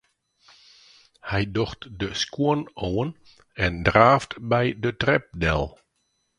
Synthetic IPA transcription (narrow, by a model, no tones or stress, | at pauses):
hɛjdɔxtdəskuənowən | ɛndraːftbɛjdətrɛp̚dɛ̰lˠ